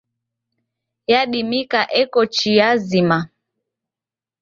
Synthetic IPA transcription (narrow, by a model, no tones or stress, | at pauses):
jaɗimikaʔɛkɔt͡ʃijazima